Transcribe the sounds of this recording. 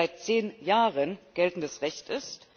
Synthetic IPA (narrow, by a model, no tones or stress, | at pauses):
aɪt̚t͡seːnjaːʁənɡ̥ɛltn̩dəsʁɛçtɪst